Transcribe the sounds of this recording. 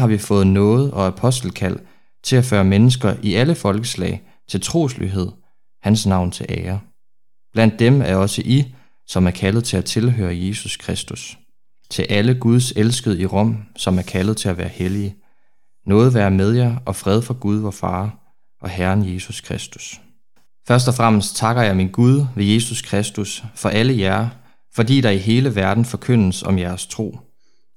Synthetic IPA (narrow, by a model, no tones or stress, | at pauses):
hɑ̈ʋifɔ̽ːð̞̩ˠnɔ̽ːð̞̩ˠɒ̽æpʰɒ̽sd̥l̩kʰæl̰ | t͡sʰe̝læfø̰ːɐmenəs̬ɡ̥ɐʔiæləfɒ̽lɡ̥əslɛ̰ːɪ | t͡sʰe̝lt͡sʰʁo̝̰ːsly̰ɦe̝ð̞̰ˠ | hænsnɑ̈ʊ̰nt͡sʰe̝lʔɛːɐ | b̥læn̰d̥ːemæɐɒ̽səʔi | sɒ̽mæɐkʰæləð̞̩ˠt͡sʰe̝læt͡sʰe̝lɦø̰ːɐje̝ːsuskʰʁɛsd̥us | t͡sʰe̝ʔæləɡ̥uð̞ˠselsɡ̥əð̞ˠiʁɒ̽m̰sɒ̽mæɐkʰæləð̩ˠt͡sʰe̝læʋæːɐheliə | nɔ̽ːð̞̩ˠʋæːɐmeð̞ˠjɑɒ̽fʁɛð̞ˠfɒ̽ɡ̥uð̞ˠʋɑfɑ̰̈ː | ʔɒ̽ɦæɐnje̝ːsuskʰʁɛsd̥u̥s | fɶɐs̬d̥ɒfʁam̰əsd̥̚t͡sʰɑ̈ɡ̥ɐjɑ̈ɪminɡ̥uð̞ˠʋe̝je̝ːsuskʰʁɛsd̥usfɒ̽ʔæləjæɐ | fɒ̽d̥ḭːd̥ɑ̈iɦe̝ːləʋæɐd̥n̩fɒ̽kʰøn̰̩sɒ̽mjæɐst͡sʰʁo̝̰ː